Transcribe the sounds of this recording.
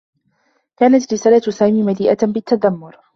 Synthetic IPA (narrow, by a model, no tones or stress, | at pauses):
kaːnat̪ɾɪsaːlat̪saːmiːmaliːʔabɪt̪ːad̪amːʊɾ